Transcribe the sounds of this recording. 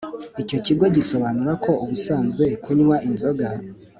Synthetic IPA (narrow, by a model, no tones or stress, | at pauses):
ico̞ciɡo̞ɟiso̞βanuɾakʰo̞uβusaːnzɡwe̞kuɲumaʔinzo̞ɡa